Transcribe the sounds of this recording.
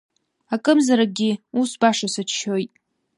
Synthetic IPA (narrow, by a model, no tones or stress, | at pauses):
akʼɨmzaɾaɡʲɪusbaʂasat͡ʃʰʃo̞jtʼ